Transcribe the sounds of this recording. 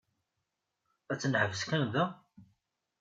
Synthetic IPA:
æt͡sːənħəvəskənðæ

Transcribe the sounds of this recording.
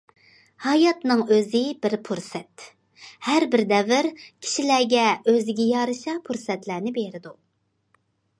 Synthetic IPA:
hɑjɑt̪nɨŋøzɪbɪɾpʰuɾsɛt̪ | hæɾbɪɾd̪ɛvɪɾkʲʰi̥ʃilæɡʲɛøzɪɡʲɛjɑɾɨʃɑpʰuɾsɛt̪læɾnɪbeɾɪd̪u

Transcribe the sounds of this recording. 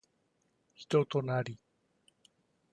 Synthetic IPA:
çi̥t̪o̞t̪o̞naɾʲi

